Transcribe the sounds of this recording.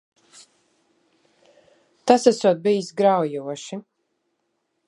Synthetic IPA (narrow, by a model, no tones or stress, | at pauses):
t̪asæsuɔt̪̚bijisɡɾawjuɔʃi